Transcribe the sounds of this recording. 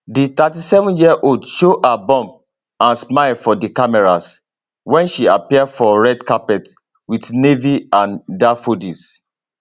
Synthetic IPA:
dit̪atisɛvɔ̃njiəʔoldʃoʔabɔ̃mp̚ | ãnsmaɪlfɔdikamɛɹas | wɛ̃nʃiapiɛdfɔɹɛdkapɛt | widneviãndafodis

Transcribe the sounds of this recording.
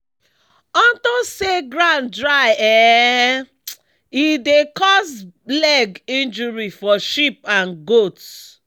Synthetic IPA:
ɔ̃ntɔseɡɹãndɹaɪɛ | idekɔsblɛɡĩnd͡ʒuɹifɔʃip̚ãnɡot

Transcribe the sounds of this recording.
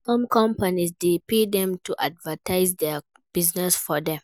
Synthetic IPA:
sɔ̃mkʰɔ̃mpanizdepedɛ̃mtʰuʔadvətʰaɪzdɛ | b̥iznɛsfɔdɛ̃m

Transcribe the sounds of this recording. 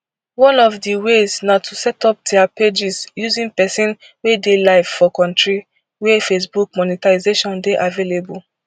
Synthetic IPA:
wɔ̃nɔvdiweznatʰusɛtɔp̚deaped͡ʒizjuzĩnpɛsĩn | wedelaɪv̥fɔkɔ̃ntɹi | wɛfesbuk̚mɔnitaizeʃɔ̃ndeʔavelebul

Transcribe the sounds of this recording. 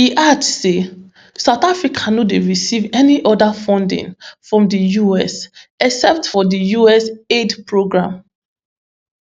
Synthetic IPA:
hiʔadse | saʊtafɹikʰanɔdeɹisivɛniʔɔdafɔ̃ndḭ̃nfɹɔ̃mdəjuɛsɛksɛp̚tfɔdəjuɛsedpɹoɡɹãm

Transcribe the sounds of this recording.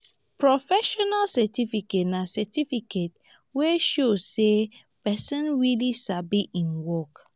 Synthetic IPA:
pɹɔfɛʃɔnalsɛtifiketnasɛtifiket̚ | weʃozse | pɛsɔ̃nɹilisabiʔĩnwɔk

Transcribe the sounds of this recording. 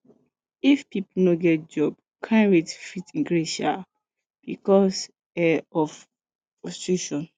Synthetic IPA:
ifpipl̩noɡɛt̚d͡ʒɔb | kʰãnɹitfitĩŋɡɹeʃa | b̥ikɔs | ɛɔf | pɔst͡ʃuʃɔ̃n

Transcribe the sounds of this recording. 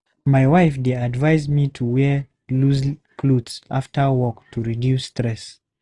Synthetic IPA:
majwaɪfdeadvaɪzmitʰuwɛ | luskʰludsaftʰəwɔktʰuɹidjusːtɹɛs

